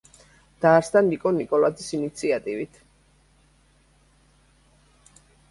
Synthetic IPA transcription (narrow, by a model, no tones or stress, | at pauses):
d̪̥aːɾsd̪anikʼɔnikʼɔlad̪isinit̪sʰiat̪ʼivit̪ʰ